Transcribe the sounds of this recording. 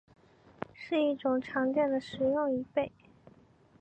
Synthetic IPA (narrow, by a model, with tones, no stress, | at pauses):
ʂɻ̩˥˧i˥˩ʈ͡ʂʊ˨˩ŋʈ͡ʂʰɑ˧˥ŋt͡ɕjɛ˥˩nd̪ə˩ʂɻ̩˨˩jʊ˥˩ŋi˧˥pe˥˩ɪ